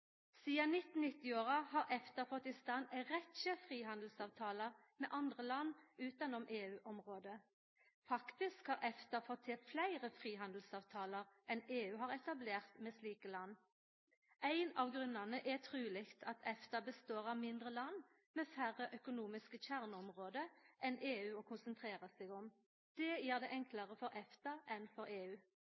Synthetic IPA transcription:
siːɑnɪt̪ːn̩nɪt̪ːɪoːʁɑhɑːʁɛft̪əfɔt̪ːɪst̪ɑnɛʁɛt̪ʃəfʁiːɦɑnd̪l̩sɑːʋt̪ʰɑːləʁ | mḛːʔɑnd̪ʁəlɑnʉːt̪ɑnɔmʔeːʉːʔɔmʁoːd̪ə | fɑkt̪ɪskhɑːʁʔɛft̪əfɔt̪ʰːɪflæɪʁəfʁiːɦɑnd̪l̩sɑːʋt̪ʰɑːləʁʔɛneːʉːɦɑːʁɛt̪ɑbleːʁt̪meːsliːkəlɑnː | ʔæɪnɑʋɡʁʉnɑnəʔɛt̪ʰʁʉːlɪkt̪ʰɑt̪ʰɛft̪ɑbəst̪oːʁɑʋmɪnd̪ʁəlɑnː | meːfæʁəʔœkʊnuːmɪskəçæʁnəɔmʁoːd̪əʔɛneːʉːɔkʰʊnsənt̪ʰʁeːʁəsɛɡɔm | d̪̥ɛjiːʁd̪ɛːʔɛŋkləʁəfɔʁʔɛft̪ɑʔɛnfɔɾeːʉː

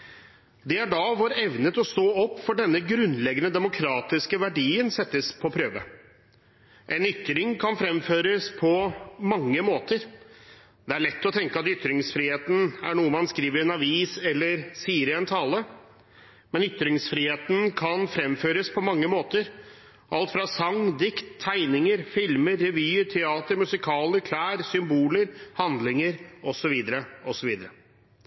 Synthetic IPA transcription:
d̪ɛæɖɑʋɔɾɛʋnət̪ɔst̪oːɔpːfɔɖɛnːəɡɾʉnlɛɡənəd̪ɛmʊkʰɾɑːt̪ɪskəʋæɖiːənsɛt̪ːəspʰɔpʰɾøːʋə̰ | ʔɛnʏt̪ɾɪŋkʰɑnfɾɛmføːɾəspʰɔmɑŋːəmoːt̪əɾ | d̪ɛæɭɛt̪ːɔt̪ʰɛŋkəɑt̪ʏt̪ɾɪŋsfɾiːheːt̪n̩æ̰ɳuːəmɑnskɾiːʋəɾɛnɑʋiːsɛlːəɾsiːəɾɪɛnt̪ʰɑːlə | mɛnʏt̪ɾɪŋsfɾiːheːt̪n̩kʰɑnfɾɛmføːɾəspʰɔmɑŋːəmoːt̪əɾ | ʔɑlt̪fɾɑsɑŋd̪ɪkt̪ʰːæɪnɪŋəɾfɪlməɾːɛʋyːəɾʈʰɛɑːt̪əɾmʉsɪkʰɑːləɾkʰlæːɾsʏmbuːləɾhɑnd̪lɪŋəɾɔsɔʋiːd̪əɾəɔsɔʋiːd̪əɾə

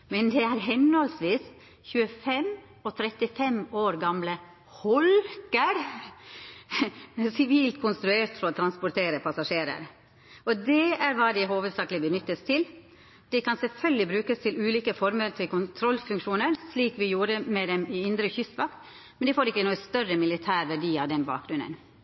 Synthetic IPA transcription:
mɛnd̪ɛæɾɦɛnhɔlsʋiːs | çʉːəfɛm | ɔt̪ʰɾɛt̪ɪfɛmoːɾɡɑmlə | hɔlkəɾ | sɪʋiːlt̪kʰʊnst̪ɾʉeːɾt̪fɔɾɔt̪ʰɾɑnspʊɾʈ̪eːɾəpʰɑsɑʂeːɾə̰ɾ | ʔɔd̪ɛæɾʋɑːd̪ɪɦoːʋəd̪sɑːklɪbənʏt̪ːəst̪ʰɪl | d̪̥ɛkɑnsɛlfœlɡ̪lɪbɾʉːkəst̪ʰɪlʉːliːkəfɔɾməɾt̪ʰɪlkʊnt̪ʰɾɔlfʉŋkʂuːnəɾsɭiːkʋɪjuːɾəmɛd̪ɛmɪɪnd̪ɾəçʏst̪ʋɑkt̪ | mɛnd̪ɪfoːɾɪkːənuːəst̪œrəmɪlɪt̪ʰæːɾʋæɖiːɑʋd̪ɛnbɑ̰ːk̚ɡɾʉnə̰n

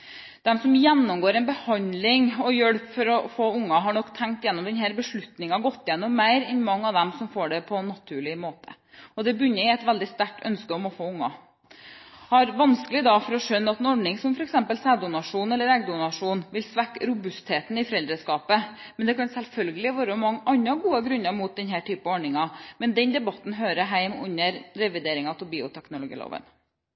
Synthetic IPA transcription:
d̪̥ɛmsɔmjɛnːɔmɡoːɾɛnbəhɑnd̪lɪŋɔjœɽpfɔɾɔfoːʊŋːɑɦɑɳɔkːt̪ʰːæŋk̚t̪jɛnːɔmd̪ɛnɦæːɾbəʂɭʉt̪nɪŋɑɡɔt̪ːjɛnːɔmæɪɾɛnmɑŋːɑʋd̪ɛmsɔmfoːɖɛpʰɔnːɑt̪ʰʉːɭɪmoːt̪ʰə̥ | ɔd̪ɛbʏnːəɪɛt̪ʋæld̪ɪst̪æʈʰːœ̰nskəɔmɔfoːʊŋːɑ̰ | hɑɾʋɑnskəlɪd̪ɑfɔɾɔʂœnːɑt̪ɛnɔɖɳɪŋsɔmfɔɾɛksɛmpəlsæːd̪ʊnɑʂuːnɛlːəɾɛɡd̪ʊnɑʂuːnʋɪlsʋækːɾʊbʉst̪ʰeːt̪nɪfɔɾɛld̪ɾəskɑːpəmɛnd̪ɛkɑnsɛlfœlɡəlɪʋøːɾəɔmɑŋʔɑnːɑɡuːəɡɾʉnːɑmuːt̪̚d̪ɛnɦæːʈʰyːpəɑɔɖɳɪŋɑmɛnd̪ɛnd̪ɛbɑt̪ːn̩ɦøːɾəɦæɪmʉ̰nːəɾɾɛʋɪd̪eːɾɪŋɑt̪ɪbiːʊt̪ʰæknʊlʊɡḭːlo̰ːʋə̰n

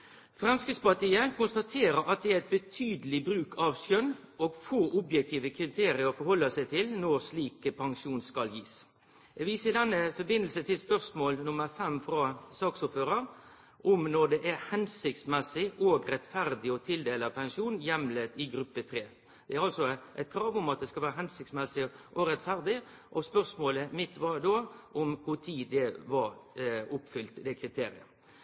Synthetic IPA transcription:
fɾɛmskɾɪt̪spɑʈ̪iːəkʊnst̪ɑt̪ʰeːɾəɾɑt̪̚d̪ɛæɾɛɪt̪̚bət̪ʰyːd̪əlɪbɾʉːkʰɑʋsœnːoːɡfoːʔʊbjɛk̚t̪ʰiːʋəkʰɾɪt̪ʰeːɾɪəɾɔfɔɾhɔlːɑsæɪt̪ʰɪlnɔʁsliːkəpʰɑŋʃuːnskɑljiːs | ɛːɡʋiːsəɪd̪ɛnːəfɔbɪnəlsət̪ʰɪlspœɾsmoːlnʊməɾfɛmfɾɑːsɑːksʊpføːɾəɾ | ʔʊmnɔd̪ɛʔæɾhɛnsɪk̚t̪smɛsɪʔoɡɾɛt̪fæɾd̪ɪɔt̪ʰɪld̪eːləpʰɛŋʂuːnjɛmleːt̪ɪɡɾʉpːət̪ʰɾeː | d̪̥ɛæɾɑlsɔʔæɪt̪̚kʰɾɑːʋʊmɑt̪̚d̪ɛskɑʋæːɾəɦɛnsɪkt̪smɛsɪʔɔɾɛt̪fæɾd̪ɪ | ʔɔspœɾsmoːləmɪt̪ʋɑd̪oːʔɔmkʰʊt̪ʰiːd̪ɛʋɑɾʊpfʏlt̪d̪ɛkʰɾɪt̪ʰeːɾɪ̰ə̰

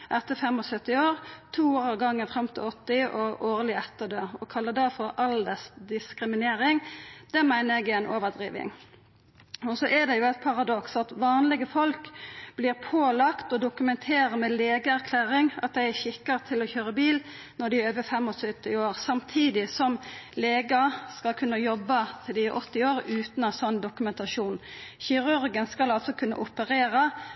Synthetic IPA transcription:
ʔɛt̪ːəfɛmɔsœt̪ːɪoːɾt̪ʰuːoːɾɑʋɡɑŋːəfɾɑmt̪ʰɪlɔt̪ːɪʔɔʔoːʁlɪɛt̪ːəd̪øːɔkʰɑlːəd̪ɛfɔɾɑld̪əsd̪ɪskɾɪmɪneːɾɪŋd̪̥ɛmæɪnəɛɡɛnʔoːʋəd̪ɾḭːʋɪ̰ŋ | ɔsɔʔæd̪ɛjʊæɪt̪̚pʰɑʁɑd̪ɔksɑt̪ʋɑːnlɪɡəfɔlkb̥liːʁpʰoːlɑkt̪ɔd̪ʊkʉmɛnt̪ʰeːɾəmɛleːɡəæɾkʰlæːɾɪŋɑ̰t̪̚d̪æɪæʃɪkːəʁt̪ʰɪlɔçøːʁəbiːl | nɔd̪ɪøːʋəfɛmːɔsœt̪ːɪoːʁsɑmt̪ʰiːd̪ɪsɔmleːɡɑskɑlkʰʉnːəjɔbːət̪ʰɪlɪʔɔt̪ːɪoːɾʉːt̪nɑsɔnːd̪ʊkʉmɛnt̪ɑʃuːnçɪɾʉɾɡənskɑlɑlt̪sɔkʰʉnːə̰ʔʊpəʁeːɾə

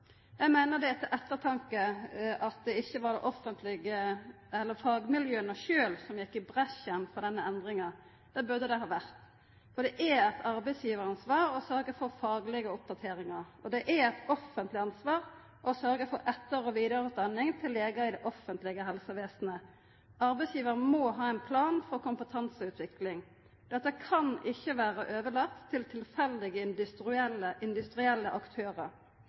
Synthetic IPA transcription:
jæɪmæɪnəd̪ɛɛt̪ːəʔɛt̪ːət̪ʰɑŋkəʔɑt̪̚d̪ɛɪçːəʋɑʁd̪ɛ̰ʔɔfːənt̪ʰlɪɡə | ɛlːəɾfɑːɡmɪljøːənəʃøːlsɔmjɛkːɪbʁɛʃjənfɔʁd̪ɛnːəɛnd̪ɾɪŋɑ | d̪̥ɛbʉɾd̪əd̪ɛɦɑːʋæʁt̪ | fɔd̪ɛʔææt̪ʰɑɾbɛɪsjiːʋəɾɑnsʋɑːɾɔsœɾɡəfɔɾfɑːɡlɪɡəɔp̚d̪ɑt̪ʰeːɾɪŋɑɾ | ɔd̪ɛʔæɾæt̪ɔfənt̪lɪɑnsʋɑːʁ | ʔɔsœɾɡəfɔɾʔɛt̪ːəɾɔʋiːd̪ɑɾət̪̚d̪ɑnːɪŋt̪ʰɪlːeːɡəɪd̪ɛʔɔfːənt̪lɪɡəɦɛlsəʋeːsnə | ɑɾbɛɪsjiːʋəɾəmoɦɑːɛnpʰlɑːnfɔɾkʊmpət̪ʰɑnsəʉːt̪ʰʋɪklɪŋ | d̪̥ɛt̪ːəkʰɑnɪçːəʋæːɾəʔøːʋəɭɑkt̪ʰːɪlt̪ʰɪlfɛld̪ɪɡəɪnd̪ʉst̪ɾɛləʔɪnd̪ʉst̪ɾɪɛlːəʔɑkt̪ʰøːʁə

